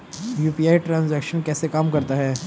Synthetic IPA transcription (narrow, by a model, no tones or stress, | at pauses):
juːpiaːiʈɾãːnzɛkʃənkɛːsekaːmkɐɾt̪aɦɛː